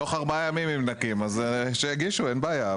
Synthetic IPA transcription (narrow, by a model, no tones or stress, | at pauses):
oχaʁbaajamimimnakimazʃejaɡiʃuenbaːja